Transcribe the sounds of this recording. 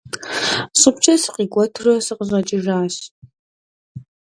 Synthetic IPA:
sʼɨpt͡ʃʰɐsqiːɡʷʼɔtʰrɐsɨqəʑʷɐt͡ʃʼɪʒaːɕ

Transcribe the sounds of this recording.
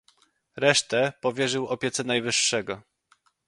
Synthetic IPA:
ɾɛʂt̪ɛpɔvʲjɛʐɘwɔpʲjɛt̪sɛnajvɘʂːɛɡɔ

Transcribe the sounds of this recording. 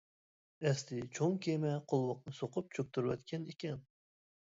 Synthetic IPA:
ɛst̪ɪt͡ʃʰoŋkʲʰemɛqʰolˠwəqnɨsoqʊp̚t͡ʃʰøk̚ʲt̪ʰyɾwɛ̰t̪kʲʰɛnikʲɛn

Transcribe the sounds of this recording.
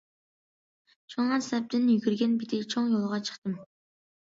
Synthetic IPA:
t͡ʃʰoŋʁɑsæp̚t̪ɪnjyɡʲyɾɡʲænbit̪ʰɪt͡ʃʰoŋjolˠʁɑt͡ʃʰə̥χt̪ɨm

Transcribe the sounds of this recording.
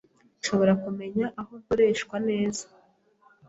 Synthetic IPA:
ʃo̞βo̞ɾakume̞ɲaʔahokuɾe̞ːʃkwane̞ːza

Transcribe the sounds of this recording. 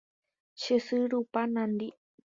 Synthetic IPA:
ʃesɨɾupanãnd̪i

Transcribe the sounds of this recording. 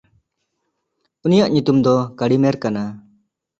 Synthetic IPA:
unijaʔɲut̪umd̪ɔkaɽimeɾkana

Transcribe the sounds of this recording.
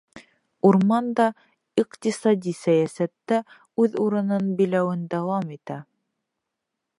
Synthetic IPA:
uɾmɑnd̪ɑ | iqt̪isɑd̪ʲisæjæsæt̪ːæ | ʉðuɾɤ̆nɤnbilæwɘnd̪æwɑmit̪æ

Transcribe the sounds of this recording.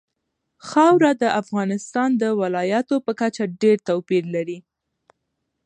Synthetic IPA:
xɑwɾad̪əʔafɣɑnɪst̪ɑnd̪əwɪlɑjat̪opəkat͡ʃaɖeɾt̪awpiɾlaɾi

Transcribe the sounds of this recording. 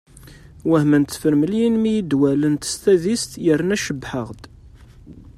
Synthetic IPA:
wæhmænt̪ːfəɾməljinmijəd̪wælənt̪ə̥st̪æðist̪jəɾnæʃəbħəʁd̪

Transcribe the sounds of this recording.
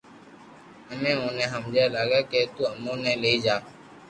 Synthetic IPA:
əmẽːõːnẽːɦəmd͡ʒeːlaːɡaːkeːt̪uːəmõːnẽːleːiːd͡ʒaː

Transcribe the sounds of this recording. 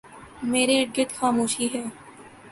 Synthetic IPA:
meːɾeɡɪt̪xaːmoːʃiɦɛː

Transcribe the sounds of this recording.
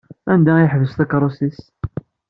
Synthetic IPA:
ænd̪æiħvəsθəkɾˤosis

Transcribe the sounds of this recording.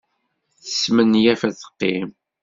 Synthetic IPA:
θə̥smənjæfæθə̥qːem

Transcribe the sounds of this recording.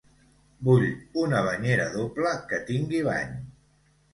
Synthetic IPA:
buʎunəβ̞əɲeɾəðopləkət̪iŋɡiβ̞a̰ɲ

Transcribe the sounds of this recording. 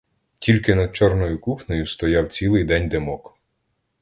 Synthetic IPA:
tʲilʲkɪnɐd̪̚t͡ʃɔrnɔjʊkuxnɔjʊst̪ɔjawt͡sʲilˠɪjd̪ɛnʲd̪emɔk

